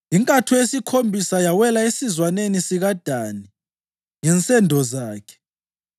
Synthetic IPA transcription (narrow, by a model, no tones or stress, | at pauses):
iŋkʼatʰujesikʰombʱisajawɛlaesizwanenisiɣad̥ʱani | ŋɛnt͡sʼɛndʱɔzaːkʰɛ̥